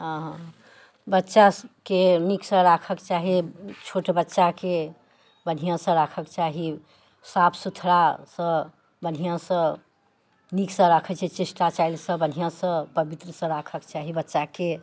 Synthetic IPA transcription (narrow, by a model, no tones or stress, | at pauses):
ɦə̃ɦ | bətːʃakeniksə̃ɾakʰəkt͡ʃaɦit͡ʃʰoʈbətːʃake | bən̤ijãsə̃ɾakʰəkt͡ʃaɦi | sapʰsut̪ʰɾasə̃ | bən̤ijãsə̃ | niksə̃ɾakʰət͡ʃʰɛt͡ʃisʈat͡ʃailsə̃bənɦijãsə̃pəbit̪ɾəsə̃ɾakʰəkt͡ʃaɦibətːʃake